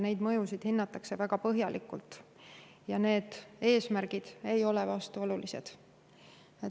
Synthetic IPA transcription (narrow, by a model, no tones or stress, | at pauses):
ne̞jd̪mɤjusid̪̥hinːɑt̪ːˑɑkse̞væɡ̥ɑpɤɦjɑlʔikːˑult̪ˑ | jɑne̞ːd̪̥e̞ːsmærɡ̥id̪̥e̞jo̞lɛvɑst̪uo̞lulise̞d̪̥ | e